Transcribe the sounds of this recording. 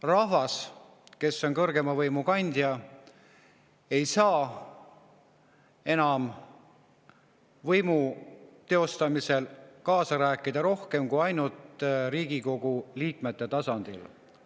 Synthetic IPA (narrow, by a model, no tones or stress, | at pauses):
rɑɦvɑs | ke̞sːo̞nkɤrɡe̞mɑvɤjmukɑnʲd̪̥jɑ | e̞jsɑː | e̞nɑm | vɤjmut̪e̞o̞st̪ɑmise̞lkɑːsɑɾæːkːˑid̪ɑɾo̞hke̞mkujɑjnult̪ɾiːɡiko̞ɡ̥uliːkme̞t̪ːe̞t̪ɑsɑnd̪̥il